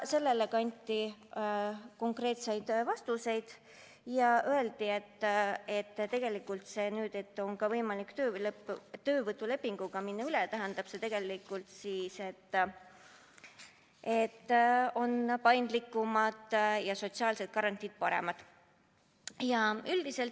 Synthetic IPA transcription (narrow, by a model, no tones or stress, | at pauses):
se̞lːe̞lekɑnʲt̪ʲːˑi | ko̞ŋkre̞ːt̪se̞jd̪̥vɑst̪use̞jd̪̥ | jɑʔøe̞ld̪̥ie̞t̪ːe̞t̪ːt̪e̞ɡ̥e̞likːult̪se̞ːnyːd̪̥e̞t̪ːˑo̞ŋkɑvɤjmɑlikt̪øːlɤpːt̪ø̞ːvɤt̪ːˑule̞pːiŋɡ̥uɡ̥ɑminːɑylet̪æɦend̪̥ɑb̥se̞t̪e̞ɡ̥e̞likːˑult̪siːse̞t̪ː | e̞t̪ːo̞npɑjnd̪likːˑumɑd̪̥jɑso̞t̪siɑːlse̞t̪̚kɑɾɑnʲt̪ʲid̪̥̚pɑɾe̞̰mɑd̪̥ | jɑyld̪̥ise̞lt̪ː